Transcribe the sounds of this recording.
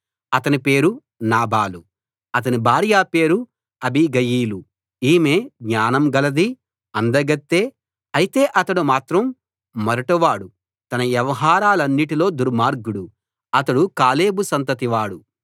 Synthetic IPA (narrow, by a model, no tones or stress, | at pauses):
ɐt̪ɐnipe̞ːɾu | naːbaːlu | ɐt̪̬ɐnibʱaːɾijaːpe̞ːɾu | ɐbʱiɡɐjiːlu | iːmeːɡɲaːnɐmɡɐlɐd̪i | ɐnd̪ɐɡɐt̪ːe̞ː | ɐjit̪e̞ːʔɐt̪ɐɽumaːt̪ɾɐmː | ɐɾɐʈɐʋaːɽu | t̪ɐnɐʋjɛʋɐɦaːɾaːlɐnːiʈilo̞ːd̪uɾmaːɾɡuɽu | ɐt̪ɐɽukaːleːbusɐnt̪ɐt̪iʋaːɽu